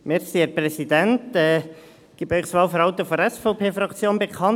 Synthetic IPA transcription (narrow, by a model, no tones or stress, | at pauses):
mɪɾsiɛɾprɛsidɛntɛː | ɡ̥iːbœʏχsʋɑːlfəɾhɑʊtəfɔɾɛsfɔʊpʰeːfɾɑkt͡sjoːnbekʰɑn